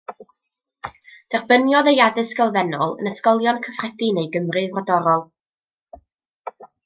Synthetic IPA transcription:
d̥ɛrbənjɔðəjadɨsɡəlˠvɛnɔlˠə̰nəskɔlˠjɔnkʰəfrɛdinejɡəmrɨvrɔdɔɾɔlˠ

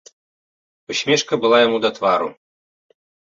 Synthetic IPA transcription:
uɕʲmʲeʂkəbɨ̆lˠajamud̪at̪vɑɾṵ

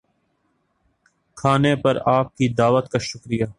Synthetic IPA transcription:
kʰaːnepɐɾaːp̚kid̪aːʋət̪kaʃʊkɾɪjaː

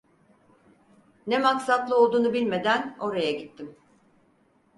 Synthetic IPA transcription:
nɛmaksat̪lˠɯo̞lˠd̪uːnubilʲme̞d̪æno̞ɾajaɟit̪ʰːim

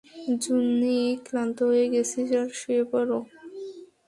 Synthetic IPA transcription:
d͡ʑunːikɾant̪oɦojeɡesʰid͡ʑaɾʃuepɔɾo

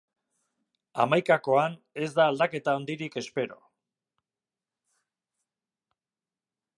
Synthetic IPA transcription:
a̰majkako̞ane̞zd̪aːld̪ake̞t̪aond̪iɾike̞spe̞ɾo̞̰

